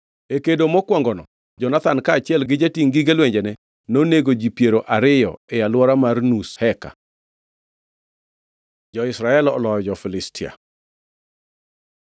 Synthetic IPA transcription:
ekedomɔkwɔŋɡɔnɔ | d͡ʒɔnat̪ankaːt͡ʃɪɛlɡɪd͡ʒatiŋɡiɡelwɛɲd͡ʒɛnɛ | noneɡod͡ʒipjeɾoʔaɾɪjɔɛjalwɔɾamarnushɛka̰ | d͡ʒɔɪsɾaɛlɔlɔjɔd͡ʒɔfɪlɪstɪa̰

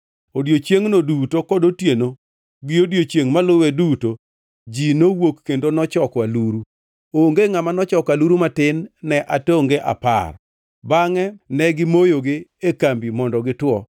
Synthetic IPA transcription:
odjot͡ʃjeŋnodutokɔdotjeno | ɡɪodjot͡ʃjeŋmalʊwɛduto | d͡ʒinowokːendonɔt͡ʃɔkwaluɾu | oŋɡeŋamanɔt͡ʃɔkaluɾumatɪnːɛʔatoŋɡeʔa̰pa̰r | baŋɛnɛɡɪmojoɡɪekambimɔndɔɡɪtwɔ

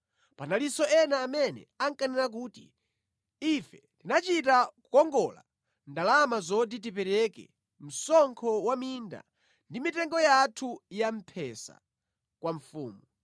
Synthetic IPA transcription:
panalisɔʔɛnaːmɛnɛ̰aŋkanɛɾak̬uːtḭ | ifɛtinat͡ʃitakukɔŋɡɔla̰ | ndalamazɔdit̬ipɛɾɛkɛ̰ | m̩sɔŋkʰɔwaminda̰ | ndimitɛŋɡɔjatʰujam̩pʰɛsa̰ | kwaɱfuːmu

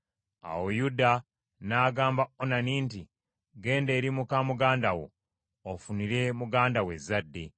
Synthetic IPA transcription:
a̰wojuda | naːɡaːmbaonaniːnti | ɡe̞ːnde̞ːɾimukamuɡaːndawo̰ | ofuniɾe̞muɡaːndawe̞zːadːe̞

